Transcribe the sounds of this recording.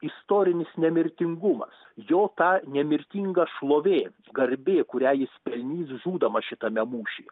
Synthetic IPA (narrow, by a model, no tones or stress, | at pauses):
ɪst̪oːɾʲɪnʲɪsnʲɛmʲɪɾʲt̪ʲɪŋɡʊmɐ̰s | joːt̪ɑːnʲɛmʲɪɾʲt̪ʲiːŋɡɐʃlˠoːʋʲeː | ɡɐɾʲbʲeːkʊɾʲæːjɪsʲpʲɛlʲnʲiːsʒuːd̪ɐmɐʃʲɪt̪ɐmʲɛmuːʃʲḭː